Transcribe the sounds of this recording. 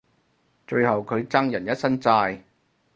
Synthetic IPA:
t͡ʃɵ˧ɥhɐ˨wkʰɵ˨˧ɥt͡sɐ˥ŋjɐ˨˩njɐ˥t̚sɐ˥nt͡saː˧j

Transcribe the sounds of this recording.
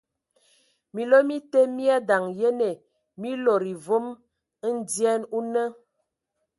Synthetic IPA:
mi˨lo˦mi˦te˦mi˦a˦da˨ŋje˦ne˨ | mi˦lo˨ɾi˨vo˦m˦ | n̩˦djɛ˦nu˦nə˦

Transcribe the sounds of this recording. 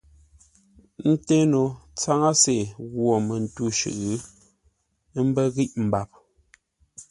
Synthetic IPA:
n̩˦te˦no˨t͡sa˦ŋa˦se˨ɣwo˨mɛ˨n̩˨tu˦ʃʉ̰˨ʔɯ˦˨ | n˦m̩˦bɛ˦ɣi˦ʔm̩˨ba˨p̚

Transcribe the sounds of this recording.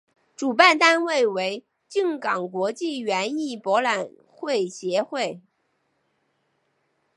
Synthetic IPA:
ʈ͡ʂu˨˩pa˥˩nt̪a˥nwe˥˩ɪwe˧˥ɪ | t͡ɕi˥˩ŋkɑ˨˩ŋkwɔ˧˥t͡ɕi˥˩ɥɛ˧˥ni˥˩pwɔ˧˥la˨˩n | xwe˥˩ɪɕjɛ˧˥xwe˥˩ɪ

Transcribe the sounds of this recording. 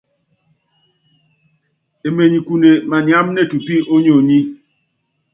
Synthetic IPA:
e˨me˨ɲi˨ku˨ne˨ma˨nja˦mne˦˨tu˨pi˦o˦ɲo˨ɲi˦

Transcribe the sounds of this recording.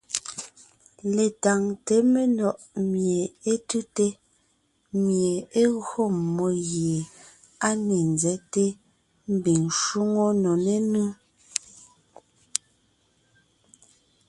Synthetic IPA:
le˨ta˨ŋte˨˦me˦nɔ˨ʔmje˨e˦tu˦te˦ | mje˨e˦ɣɰo˦˨mːɔ˨ɣje˨ | a˦ne˨nzɛ˨˦te˦ | m̩˦bi˨ŋʃu˦ŋo˦nɔ˨ne˦nu˦

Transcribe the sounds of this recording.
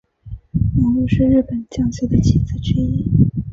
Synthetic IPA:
nɔ˧˥lu˥˧ʂɻ̩˥˧ɻɻ̩˥˩pə˨˩nt͡ɕjɑ˥˩ŋɕɛ˥d̪ə˨t͡ɕʰi˧˥t͡sɹ̩˥ʈ͡ʂi˥i˥˩

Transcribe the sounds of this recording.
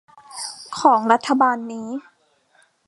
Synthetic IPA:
kʰɔː˩˦ŋɾa˦˥t̪ʰːa˧baː˧nːiː˦˥

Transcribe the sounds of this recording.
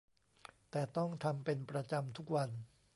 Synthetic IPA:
t̪ɛː˨˩t̪ɔ˥˩ŋt̪ʰa˧mpe˧npɾa˧t͡ɕa˧mt̪ʰu˦˥k̚wa˧n

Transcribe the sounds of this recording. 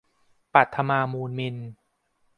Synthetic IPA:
pa˨˩t̪ʰːa˧maː˧muː˧nmi˧n

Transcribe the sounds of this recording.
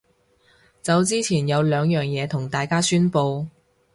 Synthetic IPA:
t͡sɐ˨˧wt͡siː˥t͡sʰiː˨˩njɐ˨˧wlœː˨˧ŋjœː˨ŋjɛː˨˧t̪ʰʊ˨˩ŋt̪aː˨jkaː˥syː˥npo˧w

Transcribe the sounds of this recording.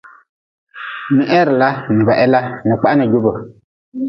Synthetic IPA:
ni˨ʔɛ˦ɾla˦ni˨ba˨ʔɛ˦la˦ni˨k͡pa˦ni˨ɟu˦bə˨

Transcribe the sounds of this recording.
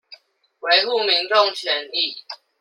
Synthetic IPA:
we˧˥ɪxu˥˨mi˧˦ŋʈ͡ʂo˥˨ŋt͡ɕʰɥɛ˨˦ni˥˨

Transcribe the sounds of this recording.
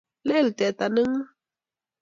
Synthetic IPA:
le˦lt̪ɛ˨t̪a˨nə˦ŋ˦

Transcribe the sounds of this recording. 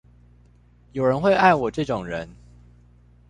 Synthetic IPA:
jo˨˩ʊɻə˨˦nxwe˥˧ɪa˥˩ɪwɔ˨˩ʈ͡ʂɤ˥˨˩ʈ͡ʂʊ˨˩ŋɻə˨˦n

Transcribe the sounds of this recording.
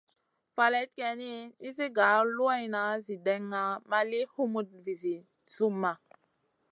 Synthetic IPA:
fa˨le˦t̚ke˨ni˦i˦zi˦ɡa˨˦lu˦a˦jna˨zi˨de˨ŋːa˨ma˦li˦hu˦mu˨t̚vi˨zi˨ | su˦mːa˨

